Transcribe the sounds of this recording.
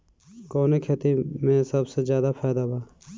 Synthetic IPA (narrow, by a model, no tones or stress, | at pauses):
kɔːnekʰeːt̪imẽsɐbsezjaːd̪afʰaːjd̪abaː